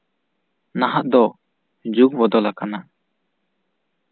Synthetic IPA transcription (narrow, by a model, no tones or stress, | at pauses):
naɦaʔd̪ɔ | d͡ʒuk̚bɔd̪ɔlakana